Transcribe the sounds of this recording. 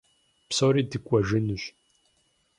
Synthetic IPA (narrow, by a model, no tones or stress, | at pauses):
psoɾiːdɨkʷʼɐʒɨnuɕ